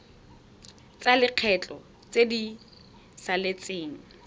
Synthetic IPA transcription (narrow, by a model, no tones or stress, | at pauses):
t͡sʼalɪq͡χʰɛt͡ɬʼɔ | t͡sʼedi | salet͡sʼeːŋ̩